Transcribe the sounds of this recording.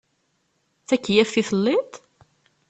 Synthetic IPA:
θækːjæfθiθəlːɪt̪ˤ

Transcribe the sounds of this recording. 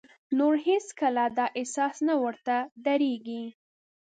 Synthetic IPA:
noɾheskəlad̪ɑʔɪsɑsnawəɾt̪ad̪aɾeɡi

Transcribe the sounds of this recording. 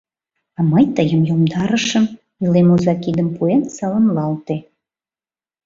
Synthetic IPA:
ɑməjt̪əjəmjomd̪ɑɾə̆ʃə̆m | ilˠemuzɑkid̪ə̆mpuensɑlə̆mlˠɑlt̪e

